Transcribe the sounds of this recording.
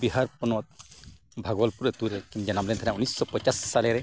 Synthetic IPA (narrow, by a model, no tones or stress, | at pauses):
biɦaɾpɔnɔt̪̚ | bʱaɡɔlpuɾet̪uɾɛkind͡ʒanamlɛnt̪ʰanaunisːɔpɔt͡ʃasːalɛɾɛ